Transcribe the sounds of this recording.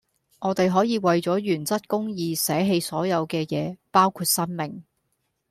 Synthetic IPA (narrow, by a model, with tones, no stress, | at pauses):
ŋɔː˨˧t̪e˨jɦɔː˨˥jiː˨˧wɐ˨jt͡sɔː˨˥ɥyː˨˩nt͡sɐ˥t̚kʊ˥ŋjiː˧sɛː˨˥ɦe˧jsɔː˨˥jɐ˨˧wkɛː˧jɛː˨˧paː˥wkʰuː˧t̚sɐ˥nmɪ˨ŋ